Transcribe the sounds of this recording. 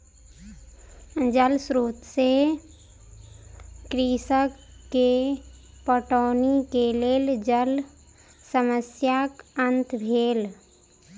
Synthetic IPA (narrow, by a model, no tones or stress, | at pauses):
d͡ʒəlsɾuːt̪se | kɾisəkːe | pəʈɔːnikeleːld͡ʒəl | səməsjakənt̪bʱeːl